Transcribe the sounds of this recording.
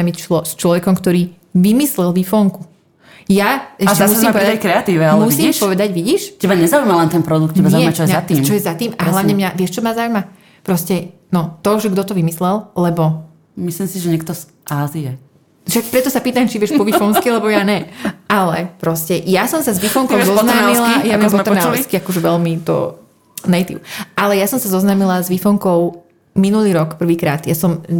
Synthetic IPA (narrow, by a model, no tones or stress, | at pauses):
amit͡ʃlɔst͡ʃlɔʋɛkɔmkt̪ɔɾiː | ʋimislɛlʋifɔŋku | jaɛʃɛmuiːapɔʋɛd̪ɛkɾɛat̪iːʋɛallmuisiiːʃpɔʋɛd̪aɟʋiɟiːʃcɛbaɲɛzaujmalɛnt̪ɛnpɾɔd̪uk̚t̪̚ɛbazɪauɛimat͡ʃɔjɛaat̪iːmt͡ʃɔjɛzat̪iːmaɦlaʋɲɛmɲaʋɪɛʃt͡ʃɔmaːzaːujma | pɾɔscɛnɔt̪ɔʒɛɡd̪ɔt̪ɔʋimislɛlˠlɛbɔ | mislimsiʒɛɲɛk̚t̪ɔz | ʔaːziɛ | ʃapɾɛt̪ɔsapiːt̪amt͡ʃiʋɪɛʃpɔʋifɔnskilɛbɔjaːɲɛʔalɛpɾɔscɛjasɔmsazʋifɔŋkɔzɔznaːmmilajaʋɛɔt̪ɔɾnaʋiskiakɔʒɛʋɛlmit̪ɔ̰ | nɛjt̪ḭʊʔalɛjasɔmsazɔznaːmilazʋifɔŋkɔʊ | minuliːɾɔkpr̩ʋiːkɾaːt̪jasɔm